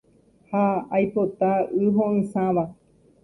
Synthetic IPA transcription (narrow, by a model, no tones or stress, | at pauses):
haːjpot̪aɨɦõɨ̃sãʋa